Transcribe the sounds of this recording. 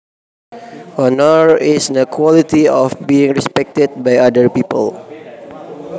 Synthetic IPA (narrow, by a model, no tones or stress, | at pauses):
ɔnɔɹisnəkʰwɔlit̪iɔfbiɪ̃ŋɹɛspɛk̚t̪əd̚bajadəɹpipə̰l